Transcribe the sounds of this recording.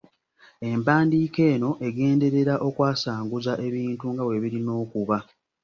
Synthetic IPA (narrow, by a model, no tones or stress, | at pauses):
e̞mpaːndiːke̞ːno̞ʔe̞ɡe̞ːnde̞ɾe̞ɾaʔo̞kwaːsaːŋɡuzaʔe̞βiːntuŋɡawe̞βiɾino̞ːkuβa